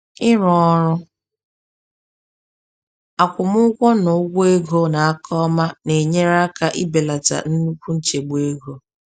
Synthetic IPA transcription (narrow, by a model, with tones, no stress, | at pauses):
ɪ˦ɾɔ˨ɔ˦ɾʊ˦ | a˨kʷʊ˨mʊ˦kʷɔ˦nʊ˨ʊ˦ɡʷo˦e˦ɡo˦na˨a˦kʰɔ˦ma˦ne˨ɲe˦ɾa˦ka˦ʔɪ˦be˨la˨ta̰˨n̩˦nu˦kʷu˦n̩˦t͡ʃe˨ɡ͡be˦ɡo˦